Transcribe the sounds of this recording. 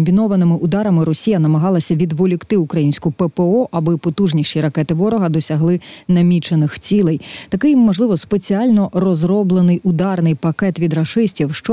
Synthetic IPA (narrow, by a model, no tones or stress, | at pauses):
mʲbʲinɔʋɐnɪmɪʔʊd̪ɑɾɐmɪɾɔsʲijɐnɐmɐɦɑlˠɐsʲɐʋʲid̪ʋɔlʲikt̪ɪukɾɐjinʲsʲkʊpɛpeɔʔɐbɪpɔt̪uʒnʲiʃiɾɐkɛt̪ɪʋɔɾɔɦɐd̪ɔsʲɐɦlˠɪnɐmʲit͡ʃenɪxt͡sʲilˠɛjt̪ɐkɪjmɔʒlˠɪʋɔspe̞t͡sʲiɑlʲnɔrɔzɾɔblˠenɪjʊd̪ɑrnɪjpɐkɛt̪ʋʲid̪ɾɐʃɪsʲtʲiwʃt͡ʃɔ